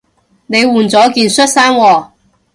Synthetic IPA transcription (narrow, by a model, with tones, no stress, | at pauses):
ne˨˧jwuː˨˩nt͡sɔː˨˥kiː˨˧nsɵ˥t̚saː˥nwɔː˨˩